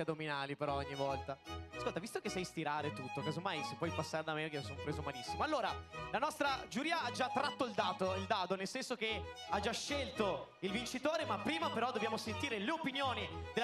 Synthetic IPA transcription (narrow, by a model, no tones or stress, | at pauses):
ad̪ominaːlipeɾɔoɲːivɔlt̪askolt̪avist̪okesːɛjst̪iɾaːɾet̪ut̪ːokaːzomajsepːwɔjpasːaːɾed̪amekesonpɾeːzomalisːimoalːoːɾalanɔst̪ɾad͡ʒuɾiːaad͡ʒat̪ːɾat̪ːoild̪aːt̪oild̪aːt̪onelsɛnsok̟ead͡ʒaʃːelt̪o | ilvint͡ʃit̪oːɾemapːɾiːmapeɾɔd̪ːobjaːmosent̪iːɾeleopinjoːnid̪el